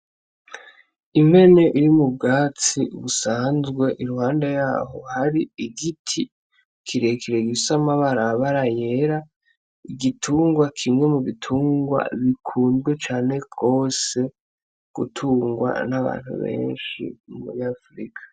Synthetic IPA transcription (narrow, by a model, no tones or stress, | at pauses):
imhe̞neʔiɾimub̚ɡaːt͡siβusaːnzɡwe̞ʔiɾuhaːndejaːɦo̞haɾiiɡitʰi | kʰiɾe̞kʰiɾe̞ɡisamaβaɾaβaɾaje̞ɾa | iɡitʰuːŋɡwakʰimŋe̞muβitʰuːŋɡwa̰βikʰuːnzɡwe̞t͡ʃaːne̞ɡo̞ːse̞ | ɡ̥utʰuːŋɡwa̰naβa̰ːn̥hṵβe̞̰ːnʃḭumṵɾiafɾikʰḁ